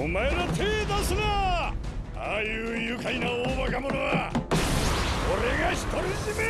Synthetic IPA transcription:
omaeɾat̪ʰeːt̪asɨna | aːjɯːjɯkainaoːbakamonoβa | oɾe̞ɡaçi̥t̪oɾiʑime

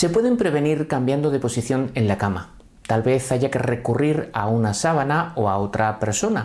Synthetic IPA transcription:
se̞pwe̞ð̞e̞mpɾe̞β̞e̞niɾkambjand̪o̞ð̞e̞po̞siθjo̞ne̞nlakama̰ | t̪alβe̞θaʝake̞re̞kuriɾaunasaβ̞anao̞ao̞t̪ɾape̞ɾso̞na

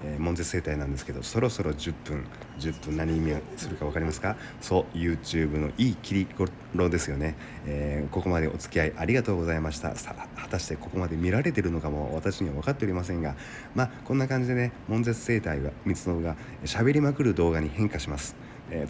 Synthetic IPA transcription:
eːmõ̞nze̞t͡sɨ̥se̞ːt̪ainãnd̪e̞sɨ̥ke̞d̪o̰so̞ɾo̞so̞ɾo̞d͡ʑɨpːɯ̟̃ŋ | d͡ʑɨpːɯ̟̃naɲ̟iːmʲiosɨɾɯ̟kaβakaɾʲimasɨ̥ka | so̞jɯ̟ːt͡ɕɨːbɯ̟no̞̰ʔiːkʲiɾʲiɡo | ɾo̞d̪e̞sɨjo̞ne̞ | eːko̞ko̞mad̪e̞ʔo̞t͡sɨ̥kʲiaiʔaɾʲiɡat̪o̞ːɡo̞zaimaɕi̥t̪a̰hḁt̪aɕi̥t̪eko̞ko̞mad̪e̞mʲiɾaɾe̞t̪e̞ɾɯ̟no̞kamo̞βat̪aɕiɲ̟iβaβ̞akat̪ːe̞oɾʲimasẽ̞ŋɡa | maːkõ̞nːakãɲ̟d͡ʑid̪e̞ne̞mõ̞nze̞t͡sɨ̥se̞ːt̪aiβamʲit͡sɨno̞ɡa | ɕabe̞ɾʲimakɯ̟ɾɯ̟d̪o̞ːɡaɲ̟ihẽ̞ŋkaɕimasɨ̥ | e

